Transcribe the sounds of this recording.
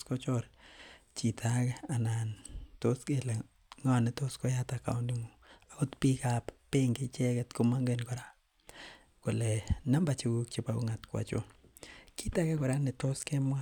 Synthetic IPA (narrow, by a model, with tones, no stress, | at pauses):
kɔ˦t͡ʃɔ˦ɾt͡ʃi˨tʰa˦ke˦a˨na˨nto˦ske˦le˨ | ŋɔ˦˨nɪ˨to˦sko˦ja˦taka̰˨ʊndi˦ŋu˨a˨ko˦tpi˦kappe˦ŋɡɪ˦t͡ʃɛ˦kɛ˦tko˦ma˦ŋɡe˦nkɔ˨ɾa˦ | ko˨le˨na˦mba˨t͡ʃi˨ɡu˦k̚t͡ʃe˨pa˦o˦ŋa˨tkwa̰˨t͡ʃo̰˦ki˦ta˦ke˦kɔ˨ɾa˦nɪ˨to˦ske˦mwa˦